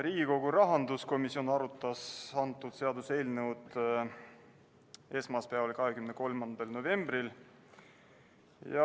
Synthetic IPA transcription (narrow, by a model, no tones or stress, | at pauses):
ɾiːɡ̥iko̞ɡ̥uɾɑɦɑnd̪usko̞misio̞nɑɾut̪ːˑɑsɑnt̪ːˑud̪̥se̞ɑd̪use̞ːlnewd̪ | e̞smɑspeɑvɑlkɑɦekymneko̞lmɑnd̪̥ɑlno̞ve̞mbril | jɑ